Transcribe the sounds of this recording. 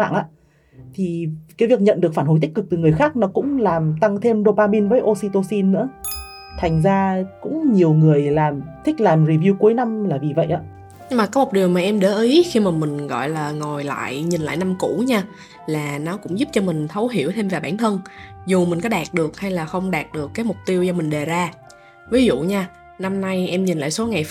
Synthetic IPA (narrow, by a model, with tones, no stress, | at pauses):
a̰ː˧˨nʔaː˧˥ | t̪ʰi˨˩kaː˨˦jvi˨˩ək̚ɲə̰˧˨nɗɨ˨˩ək̚faː˧˩nho˧jt̪ï˦˥kɨ˨˩t̪ɨ˨˩ŋɨ˨˩əjxaː˦˥k̚nɔ˨˦kʊ̰˧˥ŋ͡mlaː˨˩mt̪a˧ŋt̪ʰe˧mɗo˧paː˧ɓi˧nvəː˨˦jʔo˧si˧t̪o˧si˧nːɨ̰˧˥ə | t̪ʰa˨˩jŋ̟zaː˧kʊ̰˧˥ŋ͡mɲi˨˩əwŋɨ˨˩əjlaː˨˩mt̪ʰï˦˥k̟̚laː˨˩mɹi˨˩vi˧wku˨˦jna˧mlaː˨˩vi˨˩və̰˧˨jʔa̰ː˧˥ | ɲɨ˧maː˨˩kaː˨˦mo˨˩k͡p̚ɗi˨˩əwmaː˨˩ʔɛ˧mɗə̰˧˦ʔi˨˦jxi˧maː˨˩mï˨˩ŋ̟ɣɔ̰˧˨jlaː˨˩ŋo˨˩jla̰ː˧˨jɲi˨˩nla̰ː˧˨jna˧mkṵ˧˥ɲaː˧ | laː˨˩nɔ˨˦kʊ̰˧˥ŋ͡mzu˦˥p̚t͡ɕɔ˧mï˨˩ŋ̟t̪ʰə˨˦wɦḭ˧˩əwt̪ʰe˧mvaː˨˩ɓaː˧˩nt̪ʰə˧nzu˨˩mi˨˩ŋ̟kɔ˨˦ɗaː˨˩t̚ɗɨ˨˩ək̚ha˧jlaː˨˩xə˧wŋ͡mɗaː˨˩t̚ɗɨ˨˩əkːaː˨˦jmʊ˨˩k͡p̚t̪i˧əwt͡ɕɔ˧mi˨˩ŋ̟ɗe˨˩zaː˧ | vi˨˦zṵ˧˨ɲaː˧ | na˧mna˧jʔɛ˧mɲi˨˩nla̰ː˧˨so˨˦ŋa˨˩j